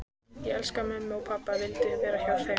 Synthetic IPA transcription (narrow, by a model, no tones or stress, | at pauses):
jɛɛlskamœmːʏɔɣpʰapːavɪlt̪ɪavɛːɾaçawθe